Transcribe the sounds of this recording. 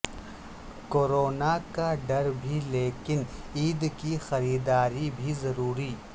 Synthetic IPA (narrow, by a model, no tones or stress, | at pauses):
koːɾoːnakaɖɐɾbʱileːkɪniːd̪kixɐɾiːd̪aːɾibʱizɐɾuːɾiː